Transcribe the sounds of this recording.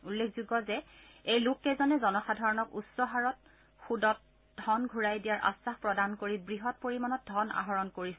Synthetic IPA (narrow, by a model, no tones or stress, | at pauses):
ulːekʰzuɡɔzɛ | ejlʊkːɛzɔnɛzɔnɔxadʱaɹɔnɔkusɔɦaɹɔt̚ | xudɔt̚ | d̥ʱɔnɡʱuɹajdijaɹʔa̰saxpɹɔdankoɹibɹiɦɔt̚poɹimanɔt̚dʱɔna̰ɦɔɹɔnkoɹisɛ